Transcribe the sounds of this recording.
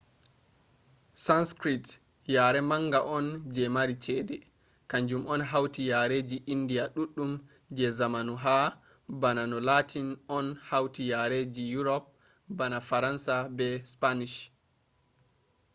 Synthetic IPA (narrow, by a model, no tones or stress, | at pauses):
sanskɾit | jaɾɛmaŋɡaʔɔnd͡ʒɛmaɾit͡ʃɛdɛ | kaɲd͡ʒumɔnɦawtijaɾed͡ʒiʔindijaɗuɗːum | d͡ʒɛzamanuɦa | bananɔlatʰinɔnhawtijaɾed͡ʒijuɾɔp̚ | banafaɾansabɛspaniʃ